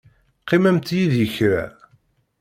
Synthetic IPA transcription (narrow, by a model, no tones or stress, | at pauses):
qːɪmæmt̪jiðjəçɾa̰